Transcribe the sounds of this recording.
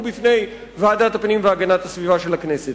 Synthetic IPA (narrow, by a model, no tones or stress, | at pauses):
bit̪ʰnej | ʋaːd̪aːt̪ɐpnĩːmʋaːɡɐnaːt̪ɐsʋiʋaːʃɐlɐkʰneːsi